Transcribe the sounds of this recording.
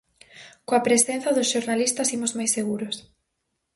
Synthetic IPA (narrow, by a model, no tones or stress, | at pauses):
koapɾesen̟θɐðʊsʃoɾnalist̪ɐsimozmajseɣuɾos